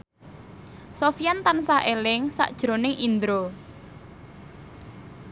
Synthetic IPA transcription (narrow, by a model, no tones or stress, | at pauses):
sofiant̪ansahʔelɪŋsa̰ʔd̥ʒ̥ɾonɪŋʔind̪ɾo